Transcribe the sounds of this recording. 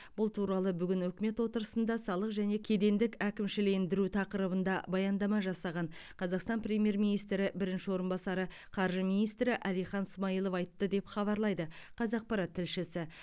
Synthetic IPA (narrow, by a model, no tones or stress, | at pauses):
b̥ʊlˠt̪ʰuɾɑlˠəbʏɡʲɪnɵkʲme̞t̪wo̞t̪əɾəsənd̪ɑsɑlˠəqʒæne̞kʲʰe̞d̪e̞nd̪ɪkʲækʲɪmʃɪleɪnd̪ɪɾut̪ʰɑqəɾəbənd̪ɑbɑjɑnd̪ɑmɑʒɑsɑʁɑnqʰɑzɑqst̪ɑnprʲe̞mije̞ɾmijnijst̪ɾɪbɪɾɪnʃɪwo̞ɾənbɑsɑɾə | qʰɑɾʒəminijst̪ɾɪʔælijχɑnɪsmɑijlˠofɑjt̪ːəd̪e̞pχɑβɑɾlˠɑjd̪əqʰɑzɑq̚pɑɾɑt̪ʰːɪlʃɪsɪ